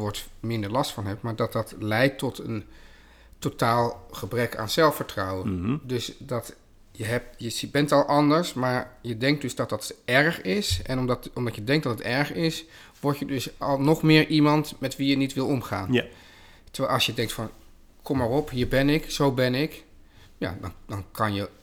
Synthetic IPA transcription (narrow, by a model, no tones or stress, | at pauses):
ʋɔɹtmɪndəɹlɑstfɑnɦɛpmaːɹdɑt̚dɑtlɛjtːɔtən | totaːlˠχəbrɛka̰ːnzɛlˠfəɹtrɑwəndɵsdɑt | jəɦɛp̚jəsbɛntɑlˠʔɑndəɹsmaːɹjədɛŋk̚dɵzdɑt̚dɑtɛɹχɪsʔɛnɔmdɑtɔmdɑtjədɛŋk̚dɑtətɛɹχɪs | ʋɔɹtjədɵsɑlˠnɔχmɪːɹʔimɑntmɛtʋijənitʋɪlˠɔmχa̰ːn | təɹʋɛɑlˠsjədɛŋktfɑn | kʰɔmːaːɹɔpɦiːɹbɛnɪksowbɛnɪk | ja̰dɑndɑnkɑnjə